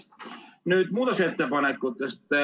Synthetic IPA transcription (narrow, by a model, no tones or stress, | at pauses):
nyt̪muːt̪ɑset̪ːepɑnet̪kut̪ːesi̥t̪ːe